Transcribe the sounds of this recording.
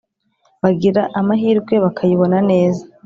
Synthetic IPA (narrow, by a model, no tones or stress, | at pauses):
βaɡiɾaʔamaɦiːɾɡwe̞βakʰajiβo̞nane̞ːza